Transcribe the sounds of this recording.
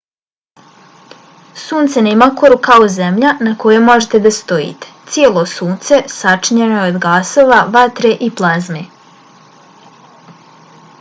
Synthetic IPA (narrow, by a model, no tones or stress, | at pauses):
suːnt̪sanemako̞ɾukaozemʎanakojemo̞ʒet̪ed̪ast̪o̞ḭt̪e̥t̪sje̞ːlˠosuːnt̪se̞sat͡ʂiɲenojeod̪ɡaːso̞ːʋaʋat̪ɾeʔiplˠazme